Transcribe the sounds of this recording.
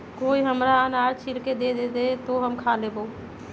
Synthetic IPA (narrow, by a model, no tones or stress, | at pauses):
koːiɦəmɾaanaːɾt͡ʃʰiɾked̪ed̪ed̪et̪oɦəmkʰalebo